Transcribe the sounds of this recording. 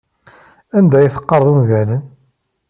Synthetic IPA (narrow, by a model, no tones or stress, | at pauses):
ænd̪æjiθə̥qːɑɾˤðˤumʝælən